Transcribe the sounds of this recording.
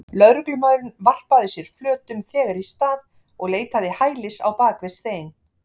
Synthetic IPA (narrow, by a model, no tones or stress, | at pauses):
lœðɾʏklʏmaðɾʏnvar̥paðɪsjɛɾ̥flœːt̪ʏmθɛːɣaɾist̪aːð | ɔɣleːjt̪aðɪhaːjlɪsa̰wpaːkvɛst̪eːjn